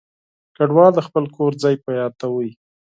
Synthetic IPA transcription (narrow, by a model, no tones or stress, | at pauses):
kaɖwɑld̪əxpəlkoɾd͡zɑjpəjɑd̪̚t̪awəi